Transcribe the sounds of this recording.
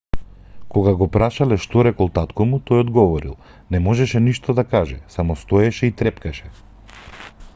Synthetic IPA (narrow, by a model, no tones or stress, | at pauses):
kɔɡaɡɔpɾaʃalɛʃt̪ɔɾɛkɔlˠt̪at̪kɔmut̪ɔjɔd̪ɡɔvɔɾḭlˠ | nɛmɔʒɛʃɛniʃt̪ɔd̪akaʒɛsamɔst̪ɔɛʃɛit̪ɾɛpkaʃɛ